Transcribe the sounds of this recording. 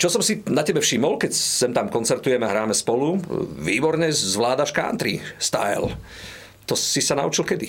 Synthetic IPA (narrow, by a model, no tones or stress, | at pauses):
t͡ʃɔsɔmsinacɛbɛfʃiːmɔlkɛcsɛmt̪amkɔnt͡sɛɾt̪ujɛmɛaɦɾaːmɛspɔluʋiːbɔɾɲɛzʋlaːd̪aʃka̰ːnt̪ɾḭst̪a̰jl | t̪ɔsisana̰ut͡ʃilkɛd̪i